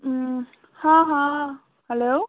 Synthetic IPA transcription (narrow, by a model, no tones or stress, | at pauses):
hãɦãː | hɛloː